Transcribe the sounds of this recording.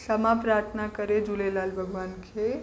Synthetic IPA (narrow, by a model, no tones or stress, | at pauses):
səmapɾaːɾt̪ʰənakəɾed͡ʒulelalbʱəɡʋaːnkʰe